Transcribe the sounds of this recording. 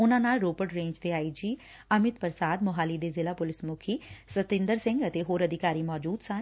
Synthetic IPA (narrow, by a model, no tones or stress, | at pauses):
ʊnãːnaːlɾoːpəɖɾẽːɲd͡ʒt̪eːaːiːd͡ʒiː | əmɪt̪pəɾsaːd̪mʊɦaːliːd̪eːzɪlaːpʊlɪsmʊkʰiːsət̪ɪ̃nd̪əɾsɪ̃ŋɡət̪eːɦoːɾəd̪ɪkaːɾiːmɔːd͡ʒuːd̪sãː